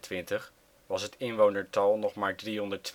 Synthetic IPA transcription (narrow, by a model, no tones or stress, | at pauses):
tʋɪntəχ | ʋɑsɦətɪnʋownəɹtɑlˠnɔχmaːɹdriɦɔndəɹt